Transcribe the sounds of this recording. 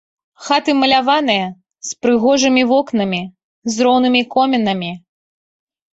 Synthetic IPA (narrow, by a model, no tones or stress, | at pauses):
xat̪ɨmɐlʲavan̪ɨjɐ | spɾɨɣɔʐɨmʲivɔknɐmʲi | zɾɔwnɨmʲikɔmʲɛnɐmʲi